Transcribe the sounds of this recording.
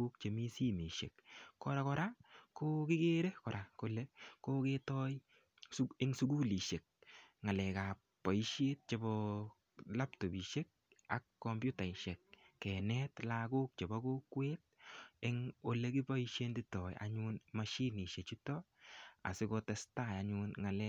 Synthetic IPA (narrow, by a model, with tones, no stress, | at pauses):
u˦kt͡ʃe˨mi˦si˦mi˨ʃḛ˨kkɔɾa˦kɔ˦ɾakoki˦ɡe˦ɾe˦kɔ˨ɾʔa˨ko˦le˦koketɔj | sɪ˦ŋsu˦ku˦li˨ʃe˨k̚ŋa˨lɛ˨ka˨ | pːɔ˨i˦ʃe˦t̚t͡ʃe˨bɔ | la˦ptɔ˨bi˨ʃe˦k̚a̰kːɔmpju˦ta˨iʃɛ˨k̚ːɛ˨nɛtlaɡu˦k̚t͡ʃe˨bɔ˦ko˦kwet̚e˦ŋo˦le˦ki˦pɔ˦i˦ʃe˦ndi˦tɔ˨j̰a̰˨ɲunmaʃi˦ni˨ʃe˨t͡ʃu˦tɔ | a̰˨sɪko˧tɛsta˦ja˨ɲunŋa˨lɛ